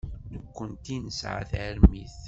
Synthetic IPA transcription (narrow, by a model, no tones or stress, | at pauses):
nəkʷːənt̪inəsʕa̰θʕəɾmiθ